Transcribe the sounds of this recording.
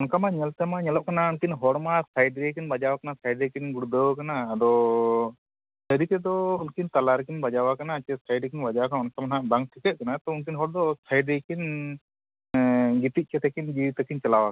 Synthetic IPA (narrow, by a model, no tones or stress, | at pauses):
unkamaɲɛlt̪ɛmaɲɛlɔʔ̚kanaunkinɦɔɽmasajɖɾekinbad͡ʒawakanasajɖɛkinɡuɽud̪əwkanaːd̪ɔ | səɾit̪ɛd̪ɔunkint̪alaɾkinbad͡ʒawakanaːt͡ʃɛsajɖkinbad͡ʒawakanaunkamanɦaʔbaŋ̚ʈʰikɛt̪̚kanat̪ɔunkinɦɔɽd̪ɔsʰajɖɛjkin | ɡit̪iʔ̚ˀt͡ʃɛt̪ɛkind͡ʒiwit̪akint͡ʃɛlawak